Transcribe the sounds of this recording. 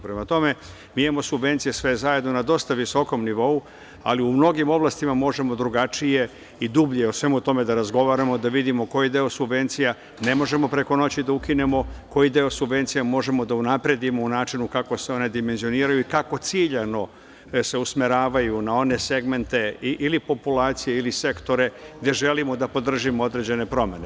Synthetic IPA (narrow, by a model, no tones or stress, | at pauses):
pɾemat̪o̞me̞ | miamo̞subʋe̞nt̪sijesʋezaje̞d̪no̞nad̪o̞st̪aʋiso̞ko̞mniʋo̞u | a̰liumno̞ɡimo̞blˠast̪imamo̞ʒe̞mo̞d̪ɾuɡat͡ʃije̞ | id̪ubʎijeosʋe̞mut̪o̞me̞d̪aɾazɡo̞ʋaːɾamo̞d̪aʋid̪imo̞ko̞jid̪eosubʋe̞nt̪sija | ne̞mo̞ʒe̞mo̞pɾe̞kono̞t͡ɕid̪aukine̞mo̞ko̞jid̪e̞o̞subʋe̞nt̪sijamo̞ʒe̞mo̞d̪aunapɾe̞d̪imo̞unaːt͡ʃinukako̞seo̞ne̞d̪ime̞nzio̞niːɾajuikako̞t̪siːʎano̞ | se̞usmeɾaːʋajunao̞ne̞se̞ɡme̞nt̪e̞iʔilipo̞pulaːt̪sije̞ilise̞kt̪o̞ɾe̞ɡd̪e̞ʒe̞limo̞d̪apo̞d̪r̩ʒimoo̞d̪ɾe̞d͡ʑe̞ne̞pɾo̞me̞ne